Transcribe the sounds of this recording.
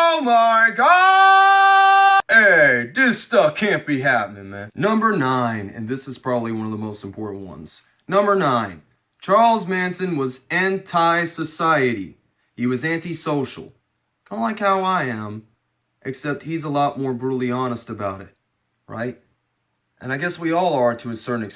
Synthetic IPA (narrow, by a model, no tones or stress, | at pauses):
omɑɹko | eɪðɪstʌfkʰæ̃nb̥iɦæpnɪ̃ŋmæ̃nːʌ̃mbə˞nãɪ̃nɨ̰̃nðɪsɨz̥pʰɹ̥ɑbəbliwʌ̃nʌvðəmoʊstm̩pʰɔɹʔn̩ʔwʌ̰̃nz̥ | nːʌ̃mbə˞nãɪ̃n | t͡ʃʰɑɹlˠzmæ̃nsɨ̃nwʌzæ̃ntʰaɪsɨsaɪɨɾḭ | iwʌzæ̃ntisoʊʃl̩ˠ | kʰʌ̃mlaɪkhaʊaɪɨ̃m | ʔɨksɛp̚t̚hizəlɔt̚mɔɹbɹuɾl̩ˠiɑnəstəbaʊɾɨ̰t̚ | ɹa̰ɪt̚ | ʔɨ̰̃naɪɡɛswiɔlˠə˞tʰɨɨsɜ˞ʔn̩ɨks